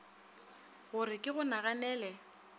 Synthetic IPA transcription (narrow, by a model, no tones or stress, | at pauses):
ɣʊɾɪkʼɪɣʊnaɣanɛːlɛ